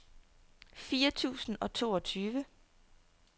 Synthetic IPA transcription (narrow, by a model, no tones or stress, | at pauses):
fiːɐt͡sʰṵːsn̩ɒ̽t͡sʰo̝̰ːɒ̽t͡sʰyːʋə